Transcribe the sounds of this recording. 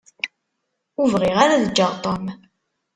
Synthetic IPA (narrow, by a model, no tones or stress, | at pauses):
uvʁiʁaɾaðəd͡ʒːəʁt̪ˤom